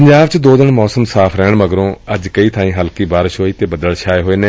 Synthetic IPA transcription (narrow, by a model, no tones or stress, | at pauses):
pəɲd͡ʒaːbt͡ʃd̪oːd̪ɪnmɔːsəmsaːpʰɾɛːɳməɡɾõːəd͡ʒkəiːt̪ʰãːĩːɦəlkiːbaːɾɪʃɦoːiːt̪eːbəd̪əlʃʰaːeːɦoːeːneː